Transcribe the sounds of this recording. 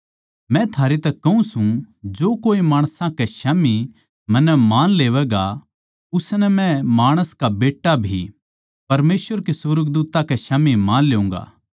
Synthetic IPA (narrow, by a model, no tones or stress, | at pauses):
mɛ̃t̪ʰaːɾet̪ɐkːɐũsũd͡ʒoːkoːimaːɽ̃sãkɛʃaːmi | mɐ̃nːɛmaːnleːʋɛɡa | ʊsnɛmɛ̃maːɽ̃əskabeːʈːabʱi | pɐɾmeːsʋəɾkisʊɾəɡd̪uːt̪ãkɛʃaːmimaːnleːũːŋɡa̰ː